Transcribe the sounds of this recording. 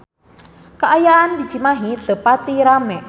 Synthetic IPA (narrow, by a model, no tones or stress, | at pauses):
kaʔajaandid͡ʒimaɦiɬəpat̪iɾamɛ